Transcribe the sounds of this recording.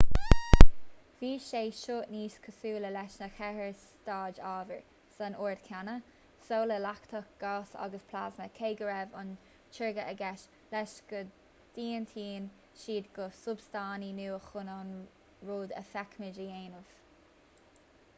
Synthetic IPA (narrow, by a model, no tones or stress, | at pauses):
viːʃeːʃoːʔniːskʰəsuːləlɛʃnəxɛhəɹs | tɑːd͡ʒɑːvəɹ | sanoːɹd̪kʰanə | soːləlakt̪ʰək̚ɡ̥ɑːsɑ̰ɡəspʰla̰ːznəkʰeːɡəɹɛvʊ̰n | t͡ʃʰɪɹɡəʔəɡɛʃ | lɛʃɡ̥ə | d̪̥iːənt̪ʰiːn | ʃiːd̪ɡʊsʊbst̪aːninuːəxʊnɑn | ɹoːd̪ə̰fɛkmɪd͡ʒəeːnəv̥